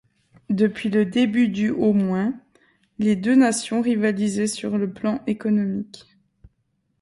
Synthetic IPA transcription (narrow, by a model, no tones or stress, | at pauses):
d̪əpɥiləd̪ebyd̪yʔomwɛ̃ | led̪ønasjɔ̃ʁivalizɛsyʁləplɑ̃ʔekɔnɔmik